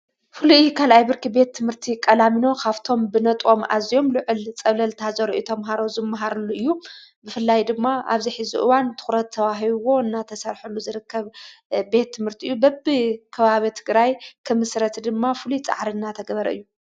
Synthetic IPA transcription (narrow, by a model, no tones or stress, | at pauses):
fɨlujjkʰalʔajbɨɾkibe̞t̪ʰːɨmhɨɾt̪ʰikʼɐlamino̞kʰaβt̪ʰo̞mbɨnɐt̪ʼo̞ma̰zijo̞mlɨʕɨlt͡sʼɐβlɐlt̪ʰɐhazɐɾoʔjit̪ʰɐmɦaɾo̞zɨmːaɦaɾɐlːuʔɨjːubɨfɨlːajd̪ɨmːaʔa̰βziħɨzḭʔɨ̰want̪ʰɨ̥xɾɐt̪ʰːɐβaɦiβwo̞ɨnːat̪ʰɐsɐɾħulːuzɨɾɨkʰːɐβbe̞t̪ʰːɨmhɨɾt̪ʰiʔɨjːubɐbɨkʰɐβaβit̪ʰɨɡɾajkʰɨmɨsɾɐt̪d̪ɨmːafɨlut͡sʼa̰ʕɾinːat̪ʰɐɡɐβɐɾɐɨ̰jːu